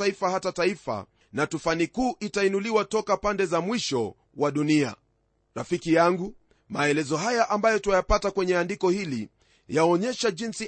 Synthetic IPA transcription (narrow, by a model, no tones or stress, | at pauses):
aifahatataifa̰ | natufanikuːʔitainuliwatɔkapandɛzamwiʃɔ | waɗunia̰ | ɾafikijaŋɡu | maɛlɛzɔɦajaʔambajɔtuajapatakwɛɲɛandikɔhili | jaɔɲɛʃaʄinsi